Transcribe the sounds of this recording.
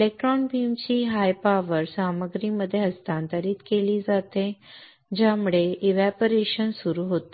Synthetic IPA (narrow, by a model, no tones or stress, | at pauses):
elek̚ʈɾɔnbiːmt͡ɕiːɦajpaʋəɾsaməɡɾiːməd̪ʱːjeɦəst̪ant̪əɾiːt̪keliːd͡zat̪ẽ | d͡ʑamuɭeiʋæpəɾeɕənsuɾuɦot̪e